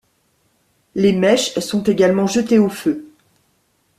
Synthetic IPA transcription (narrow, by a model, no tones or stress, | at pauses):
lemɛʃsɔ̃t̪eɡalmɑ̃ʒət̪eofø